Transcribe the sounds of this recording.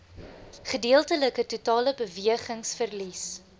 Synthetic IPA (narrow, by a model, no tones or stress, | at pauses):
χədiəlˠtələkətutɑːləbəviəχəŋsfərlis